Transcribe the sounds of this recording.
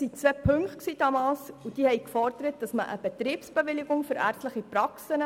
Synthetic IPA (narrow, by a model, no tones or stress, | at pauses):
sit͡sʋɛːpʰɵŋkχt̚ksiːd̥ɑmɑːlsud̥iːhɛɪkfɔrdəɾət̚d̥ɑsməʔə̰b̥ɛt̪ɾiːpsb̥eʋɪlɪɡʊŋføɾæ̰ːɾstləχipɾɑksənə